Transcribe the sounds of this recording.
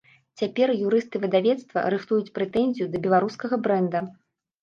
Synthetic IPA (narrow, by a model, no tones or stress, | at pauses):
t͡sʲapʲɛrjuɾɨst̪ɨvɨd̪avʲɛt̪st̪vɐ̰ɾɨxt̪ujut͡sʲpɾɛt̪ɛnʲzʲijud̪ɐbʲɛlˠaɾuskɐɣɐbɾɛnd̪ɐ